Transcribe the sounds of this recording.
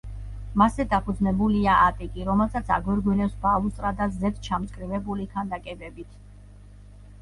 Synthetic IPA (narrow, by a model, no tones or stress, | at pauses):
masɛd̪apʰud̪znɛbuliaʔat̪ʼikʼiɾɔmɛlˠsat̪sʰa̰ɡwɛɾɡwinɛfsbalust̪ʼɾad̪azɛd̪t͡ʃʰamt̪sʼkʼɾivɛbulikʰand̪akʼɛbɛbit̪ʰ